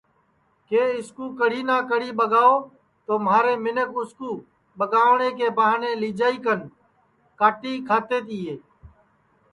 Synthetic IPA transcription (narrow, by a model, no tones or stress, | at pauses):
keːɪskuːkəɽiːnaːkəɽiːɓəɠaːoː | t̪oːmaːɾeːmɪnəkʊskuː | ɓəɠaːʋɳeːkeːbaːɦneːliːd͡ʒaːiːkən | kaːʈiːkʰaːt̪eːt̪iːɦeː